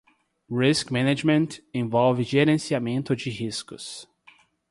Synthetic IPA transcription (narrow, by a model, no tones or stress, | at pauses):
ɹiskmɛ̃ned͡ʒmẽnt̪ẽvɔwvɪʒeɾẽsiamẽnt̪ʊd͡ʒɪhiskʊs